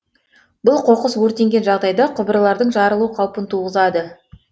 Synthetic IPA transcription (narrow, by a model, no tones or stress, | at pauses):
bʊlˠqʰo̞qəswɵɾt̪e̞ŋɡʲe̞nʒɑʁd̪ɑjd̪ɑqʰʊbəɾəlˠɑɾd̪əɴʒɑɾəlˠuəqʰɑwpənt̪ʰuʁəzɑd̪ə